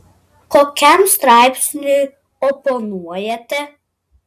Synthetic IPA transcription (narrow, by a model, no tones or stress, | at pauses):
koːkʲɛmst̪ɾɑˑɪpʲsʲnʲɪ | ɔpɔnuɔjɛt̪ʲɛ